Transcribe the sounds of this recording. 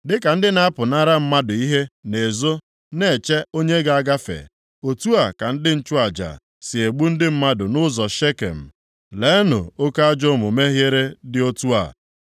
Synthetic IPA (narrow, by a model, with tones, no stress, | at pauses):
dɪ˦ka˨n̩˦dɪ˦na˦a˦pʊ˨na˦ɾa˦m̩˦ma˦dʊ˨i˦ɦe˦ne˨zo˦ | ne˨t͡ʃe˦o˦ɲe˦ɡa˨a˦ɡa˦fḛ˨ | o˨tu˦a˨ka˨n̩˦dɪ˦n̩˦t͡ʃʊ˦a˨d͡ʒa̰˨ | sɪ˨e˨ɡ͡bu˦n̩˦dɪ˦m̩˦ma˦dʊ˨nʊ˦zɔ˨ʃe˦kḛ˨m̩˨ | le˦nʊ̰˨o˦ka˦a˦d͡ʒɔ˦mʊ˨me˦ɦje˦ɾe˦dɪ˦o˦tu˦a̰˨